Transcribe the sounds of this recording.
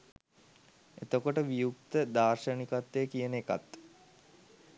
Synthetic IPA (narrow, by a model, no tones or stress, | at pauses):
et̪okoʈəʋijuk̚t̪əd̪aːrʃənikat̪ːejkijəneka̰t̪